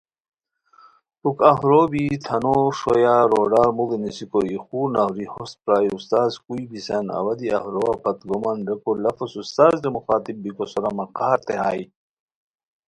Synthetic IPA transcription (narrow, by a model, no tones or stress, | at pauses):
ukɐɦɾobit̪ʰɐnoʂojaɾoːɖaːɾmuɡenisikoixuːɾnahɾihost̪̚pɾaːjust̪aːzkuibisɐnɐ̰wɐd̪iʔa̰hɾowapɐt̪ɡomɐnɾɐkolɐfosust̪aːzdemuxaːt̪ib̚bikosoɾɐmɐqaːɾt̪eɦaːj